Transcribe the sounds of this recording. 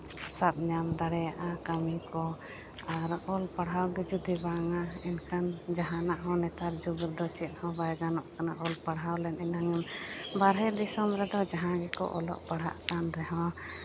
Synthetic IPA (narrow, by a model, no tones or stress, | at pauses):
sap̪̚ɲamd̪aɽɛjaʔakamikɔ | aɾɔlpaɽɦawɡɛd͡ʒud̪ibaŋaɛnkʰand͡ʒaɦanaʔɦɔ̃nɛt̪aɾd͡ʒubuɾd̪ɔt͡ʃit̪̚ˀhɔ̃bajɡanɔʔkanaʔɔlpaɽɦawlɛnɛnaŋɛmbaɾɦɛd̪isɔmɾɛd̪ɔd͡ʒaɦãɡɛkɔ̰ʔɔ̰lɔ̰ʔpaɽɦa̰ʔkanɾɛɦɔ̃